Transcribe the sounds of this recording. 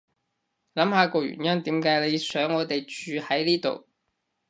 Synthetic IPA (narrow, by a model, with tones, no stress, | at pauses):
lɐ˨˥mhaː˨˧kɔː˧ɥy̰˨˩njɐ˥nt̪iː˨˥mkaː˨˥jle˨˧jsœː˨˥ŋːɔː˨˧t̪e˨jt͡ʃyː˨˧hɐ˨˥jliː˥t̪o̰˨w